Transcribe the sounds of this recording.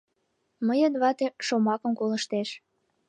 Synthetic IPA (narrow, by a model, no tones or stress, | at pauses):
məjənβɑt̪eʃomɑkə̆mkoləʃt̪eʃ